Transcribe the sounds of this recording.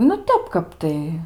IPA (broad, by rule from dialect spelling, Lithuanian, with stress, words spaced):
nʊ ˈtʲɛp ˈkɐp tɐɪ